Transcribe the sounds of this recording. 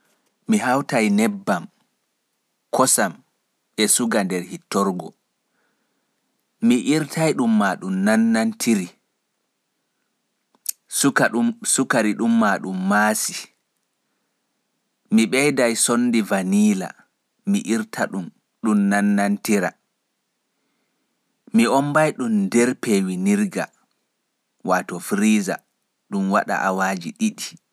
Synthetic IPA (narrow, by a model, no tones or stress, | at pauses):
miɦawtajnɛbːam | kʰɔsam | ɓɛsuɡandɛɾhitːɔɾɡɔ | miʔiɾtʰajɗumːaːɗumnanːantʰiɾi | asukaɾiɗumːaɗumːaːsi | miɓɛjdajsonːdivaniːla̰ | miʔiɾtʰaɗum | ɗumnanːantiɾa̰ | miɔmbajɗumdɛɾpewiniɾɡa̰ | watɔfɾiːza̰ | ɗumwaɗa̰ʔawaːd͡ʒiɗiɗi